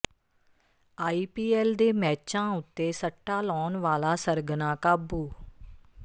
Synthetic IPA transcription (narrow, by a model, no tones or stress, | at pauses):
aːiːpiːɛːld̪eːmɛːt͡ʃãːʊt̪ːeːsəʈːaːlɔːnʋaːlaːsəɾɡnãːkaːbuː